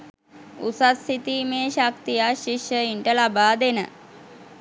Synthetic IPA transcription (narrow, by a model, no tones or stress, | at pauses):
usasit̪iːmeːʃak̚t̪ijaʃiʂjəiɳʈəlabaːd̪enə̰